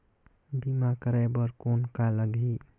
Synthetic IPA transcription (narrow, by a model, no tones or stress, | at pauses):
bimakəɾabəɾkonkaləɡʱi